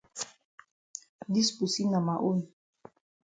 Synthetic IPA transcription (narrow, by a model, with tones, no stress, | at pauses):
di˦sbu˨si˦na˨ma˨ʔu˦n˨